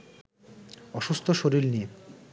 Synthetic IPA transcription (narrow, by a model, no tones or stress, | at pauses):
ɔʃust̪ʰoʃoɾiɾnie